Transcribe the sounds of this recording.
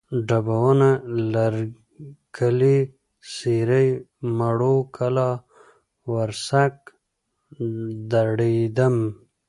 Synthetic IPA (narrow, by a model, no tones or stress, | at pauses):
ɖabawanalaɾ | kʰəli | siɾəjmaɽokʰalɑ | waɾsak̚ | d̪aɽid̪əm